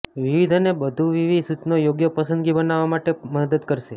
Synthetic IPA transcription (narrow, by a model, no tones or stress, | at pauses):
ʋiʋid̪ʱənebəd̪ʱuʋiʋisut̪nojoɡjəpəsə̃nd̪ɡibənaʋamaʈeməd̪əd̪kəɾʃe